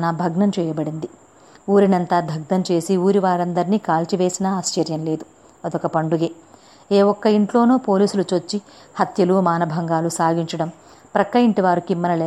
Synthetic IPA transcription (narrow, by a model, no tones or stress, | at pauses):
nɐbʱɐɡnɐmt͡ʃɛːjɐbɐɽind̪i | uːɾinɐnt̪aːd̪ʱɐɡ̚d̪ɐmt͡ʃe̞ːsiuːɾiʋaːɾɐnd̪ɐɾiniːkaːlʈiʋe̞ːsinɐaːst͡ʃɐɾjɐnle̞ːd̪u | ɐd̪ɔkɐpɐɳɖuɡeː | eːwɔkːɐiɳʈlo̞ːno̞ːpo̞ːliːsulut͡ʃot͡ʃːi | hɐt̪jɐlumaːnɐbʱɐŋɡaːlusaːɡiɲt͡ʃɐɽɐm | pɾɐkːɐjiɳʈiʋaːɾukimːɐnɐleː